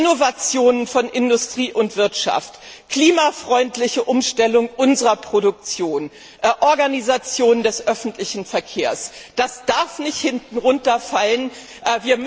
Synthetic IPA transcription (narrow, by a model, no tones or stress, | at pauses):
novat͡sjoːnənfɔnʔɪndʊstʁ̥iːʔʊntv̥ɪɐtʃa̰ft | kʰl̥iːmafʁ̥ɔʏntlɪçəʔʊmʃtɛlʊŋʔʊnzəʁɐpʁ̥odʊk̚t͡sjoːn | ʔɛʔɔɐɡanizat͡sjoːnəndɛsʔœfn̩tʰlɪçn̩fɛɐkʰeːɐsd̥asd̥aɐfnɪçthɪntn̩ʁʊntɐfalən | ʔɛviːɐm